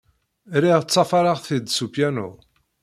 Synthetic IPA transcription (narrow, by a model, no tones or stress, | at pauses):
ɾiʁt͡sːɑfɑɾˤaʁθid̪supjænṵ